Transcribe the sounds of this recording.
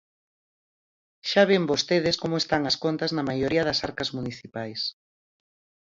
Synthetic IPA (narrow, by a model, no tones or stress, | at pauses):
ʃaβ̞embost̪eðɪskomoest̪aŋɐskont̪ɐznɐmajoɾiɐðɐsaɾkɐzmuniθipajs